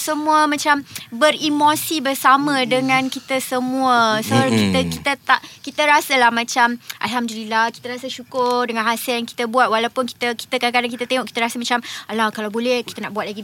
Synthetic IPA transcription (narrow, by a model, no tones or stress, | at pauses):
səmũəmãt͡ʃambərimosibərsamə̃dəŋãnkit̪əsəmuəsəoɾaŋkit̪əkit̪ət̪aʔkit̪əɾasalahmãt͡ʃamʔa̰lɦamd̪ulilaki̥t̪əɾasaʃukʊrdəŋãnɦasɛljaŋki̥t̪əbuat̪̚walawpʊnki̥t̪əki̥t̪akadakadaŋk̬it̪at̪eŋɔʔkit̪əɾasamat͡ʃamalakalawbolɛhkit̪ənaʔbuat̪̚laɡi